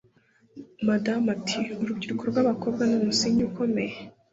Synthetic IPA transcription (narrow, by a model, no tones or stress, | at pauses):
madamatʰiuɾubɟiɾukoɾɡwaːβako̞b̚ɡanomusiɲuko̞me̞je